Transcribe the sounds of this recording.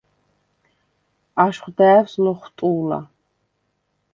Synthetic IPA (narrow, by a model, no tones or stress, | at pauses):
aʃχʷd̪æːvslɔχʷt̪ʼuːla̰